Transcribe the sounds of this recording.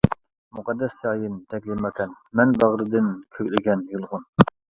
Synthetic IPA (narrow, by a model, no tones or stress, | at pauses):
muqɑd̪ːɛsɑːjɨnt̪ʰɛkʲlɪmːɑkʰʲɛn | mɛnbæʁɾɨd̪ɪnkʲʰøkʲlɪɡʲɛnjulˠʁʊn